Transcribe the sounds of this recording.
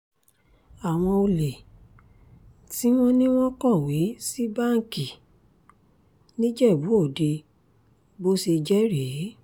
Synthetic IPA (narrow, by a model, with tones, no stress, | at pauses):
a˨w̃ɔ̃˧o˧le˨ | ti˨˦w̃ɔ̃˦nĩ˦w̃ɔ̃˦kɔ˦˨we˨˦si˦ba˦˨ŋ˨ki˨ | nĩ˦d͡ʒɛ˦˨bu˨˦o˦˨de˧ | bo˦se˧d͡ʒɛ˦ɾe˨˦